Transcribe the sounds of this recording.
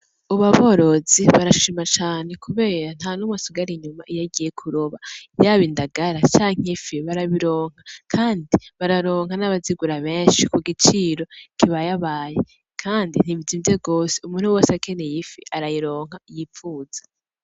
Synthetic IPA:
uβaβo̞ɾo̞ziβaɾaʃimat͡ʃaːne̞kʰuβe̞ːɾan̥hanumwasuɡaɾiɲumaʔijaɡije̞kʰuɾoβajaːβindaɡaɾat͡ʃaːŋ̥ifiβaɾaβiɾo̞ːŋ̥hakʰaːndiβaɾaɾo̞ːŋ̥anaβaziɡuɾaβe̞ːnʃikuɡit͡ʃiɾo̞kiβajaβaːje | kʰaːndin̥ivizivjeɡoːseumuːn̥huwoːsakʰene̞jifiʔaɾajiɾo̞ːŋ̥ajifuːz̥ḁ

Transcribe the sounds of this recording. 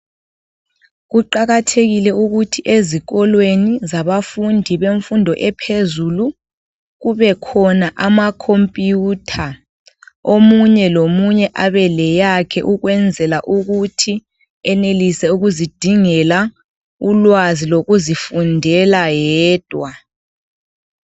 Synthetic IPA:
ɣuǃaɣatʰeɣilɛuɣutʰiʔeziɣɔlwenizaβafundʱiβeɱfundʱɔʔɛpʰezulu | ɣuβɛkʰɔnaʔamakʰompʼjutʰa | omuɲɛlomuɲɛʔaβɛlɛjakʰɛʔuɣwɛnd͡zʱɛlaʔuɣutʰi | ɛnelisɛuɣuzid̥ʱiŋɛla | ulwaziloɣuzifundʱɛlajɛːd̥ʱwa

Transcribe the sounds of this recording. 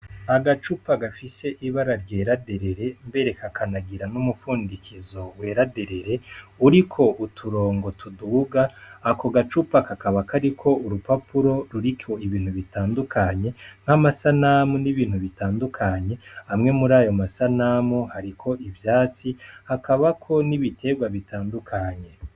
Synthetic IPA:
aɡat͡ʃupaɡafise̞ʔiβaɾaɾɟe̞ːɾade̞ɾe̞ɾe̞mbe̞ɾe̞kʰakʰanaɡiɾanumufuːndikʰizo̞we̞ːɾade̞ɾe̞ɾe̞uɾikʰo̞ʔutʰuɾo̞ːŋɡo̞tuduːɡaːkoɡat͡ʃupakakaβakʰaɾikʰo̞uɾupapuɾo̞ɾuɾikʰo̞iβiːn̥huβitaːndukʰaɲe̞ŋ̥amasanamuniβiːn̥huβitaːndukʰaɲe̞hamŋe̞muɾaːjo̞masanamuhaɾikʰo̞ʔivjaːt͡sihakaβakʰo̞niβitʰe̞ɡwaβitaːndukʰaɲe̞

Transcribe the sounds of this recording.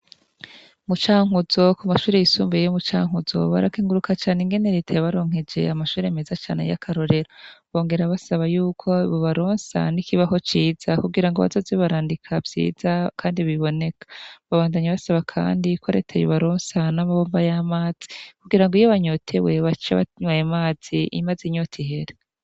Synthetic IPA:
mut͡ʃaːŋuzo̞kumaʃuːɾejisuːmbejejomut͡ʃa̰ːŋ̥uzo̞̰βa̰ɾakiːŋɡuɾukʰat͡ʃaːne̞ŋɡe̞ne̞ɾe̞ːtʰajoβaɾo̞ːŋ̥ed͡ʒe̞̰amaʃuːɾeemezat͡ʃa̰ːne̞̰ja̰kʰaɾo̞ɾe̞ɾoβo̞ːŋɡe̞ɾaβasaβajuːkʰo̞iβoβaɾoːnsa̰nikʰiβaɦo̞t͡ʃiːz̥akuɡiɾaŋɡoβa̰zo̞zeβaɾaːndikʰavz̥ḭːzakʰaːndiβiβo̞ne̞kʰḁβaβaːndaɲaβasaβakʰa̰ːndikʰoɾe̞̰tʰajoβaɾoːnsanamaβoːmbajamaːz̥i̥kuɡiɾaŋɡoijoβaɲotʰe̞we̞βat͡ʃaβa̰tɲwajemaːz̥iḭmaziɲotʰiɦe̞ɾe

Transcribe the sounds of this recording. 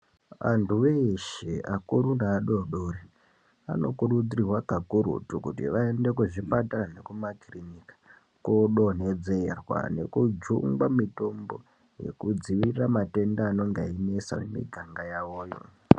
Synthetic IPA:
ʋa̰ntʰuʋeʃeʔakuɾundaːɗoɗoɾi | a̰no̞kuɾud͡zirirwakakuɾṵtukutḭʋaende̞kuʐipatarane̞kumakrinikḁ | koɗone̞d͡zerwa̰ne̞̰kud͡ʒṵŋɡwamito̞mbo̞̰ | je̞̰kud͡ziʋiramate̞ndaːno̞ŋɡainesa̰mḛmḭɡʱaŋɡajaʋo̞ːjo̞̰

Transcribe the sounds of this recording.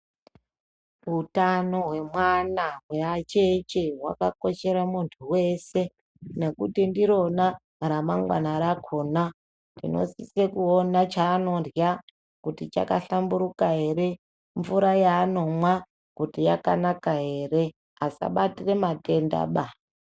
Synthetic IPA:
utano̞ɦwe̞mwanaweat͡ʃet͡ʃeɦwa̰kako̞ʃe̞ɾamuntʰuwe̞se̞ | ne̞kutindiɾo̞na | ɾamaŋɡwa̰naɾakʰona | ndino̞̰sisekuonat͡ʃaːno̞rja | kutit͡ʃa̰kaɬambuɾukaɦe̞ɾe̞ | ɱvuɾajaːno̞mwa | kutijaka̰nakaɦe̞ːre̞ | asa̰ɓatire̞mate̞nda̰ɓa

